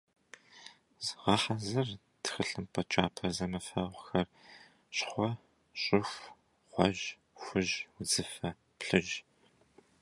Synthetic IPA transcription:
zʁɑħɐzɨr | txɨɬɨmpʰʼɐt͡ʃʼaːpʰɐzɐmɐfɐʁʷxɐr | ɕχʷɔ | ɕʼɪxʷ | χʷɔ̰ʒ | xʷʊʒwʊd͡zɨfɐ | pɬɨʒ

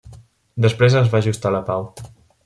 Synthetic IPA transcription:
d̪əspɾezəzβaʒust̪aləpaw

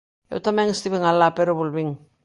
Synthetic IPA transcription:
ḛwtameŋistiβiŋalapeɾoβulβiŋ

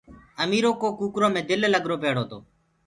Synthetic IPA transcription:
əmiːɾoːkoːkuːkɾoːmẽːd̪ɪlləɡɾoːpeːɽoːt̪o̰ː

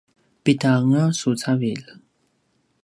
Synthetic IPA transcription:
pit̪aŋasut͡sʰavil

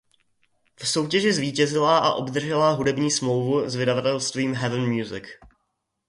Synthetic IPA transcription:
fso̞wcɛʒɪzviːcɛzɪlaʔaʔo̞bd̪r̩ʒɛlaɦudɛbɲiːsmlo̞wvuzvɪdavat̪ɛlst̪viːmɦɛvənmjuzɪ̰k

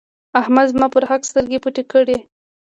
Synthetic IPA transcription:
ahmad̪mɑpəɾhakst̪əɾɡepuʈekəɽe

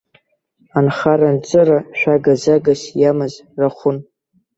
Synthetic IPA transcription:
anχarant͡sʼɨraʃʷᶣaɡazaɡasjamɨzraχʷʊn

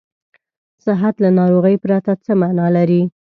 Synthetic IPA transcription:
sɪɦat̪lanɑɾoɣəjpɾat̪at͡səmanɑlaɾi

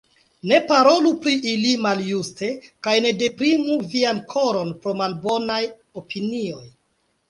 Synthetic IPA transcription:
ne̞paɾo̞lupɾiʔilimaljuste̞kajne̞de̞pɾimuviankʰo̞ɾo̞npɾo̞malbo̞naj | o̞pʰinio̞j

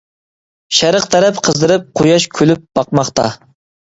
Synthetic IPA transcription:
ʃæɾəqt̪ʰɛɾɛpqʰəzd̪ɨɾɨp̚qʰojɑʃkʲʰølyp̚b̥ɑqmɑχt̪ɑ

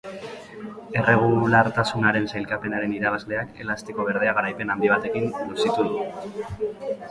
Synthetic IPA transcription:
e̞re̞ɣ̞ulaɾt̪asunaɾe̞nsajlkape̞naɾe̞niɾaβ̞azle̞ake̞̰last̪iko̞β̞e̞ɾð̞eaɣaɾajpe̞namb̪iβat̪e̞kinnosit̪uðu

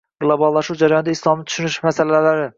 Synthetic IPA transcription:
ɡ̥lˠobɑlˠːɑʃuwd͡ʒæɾajɒnd̪aislˠɑmnɪt̪ʰʃynyʃmæsælælæɾɪ

